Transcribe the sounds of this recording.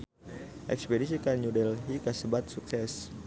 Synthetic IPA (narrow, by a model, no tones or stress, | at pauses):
ʔɛkspedisikaɲudɛlɦikasəbat̪̚suksɛs